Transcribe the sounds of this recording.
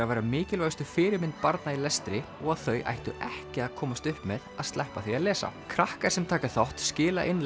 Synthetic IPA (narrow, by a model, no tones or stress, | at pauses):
avajɾamɪːcɪlvajst̪ʏfɪːɾɪmɪnt̪̚paɾt̪nailɛst̪ɾɪ | ɔɣaðθœɥʔa̰jht̪ʏʔɛhcɪaðkʰɔːmast̪ʏhpmɛðaðst̪lɛhpaθiaðlɛːsa̰kʰɾahkaɾ̥sɛmt̪ʰaːkaθawht̪scɪːla̰ʔɪnl